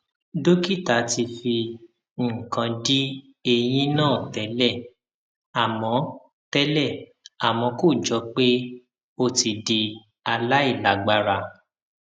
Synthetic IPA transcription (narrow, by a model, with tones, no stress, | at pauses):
do˦ki˦˨ta˨˦ti˧fi˧ | ŋ̩˨kã˧di˦ | e˧j̃ĩ˦nãː˦˨tɛ˨˦lɛ˦˨ | a˨mɔ̃˨˦ | tɛ˦lɛ˦˨ | a˨mɔ̃˧ko˦˨d͡ʒɔ˨˦k͡pe˦ | o˧ti˧di˧ | a˧la˦i˦˨la˨ɡ͡ba˧ɾa˧˨